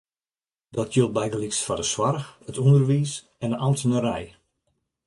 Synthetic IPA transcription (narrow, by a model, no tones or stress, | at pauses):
dɔtʰjølˠbɛjdəliksfɔdəswarxətʰundərʋiːs | ɛnənamtənəɾɛj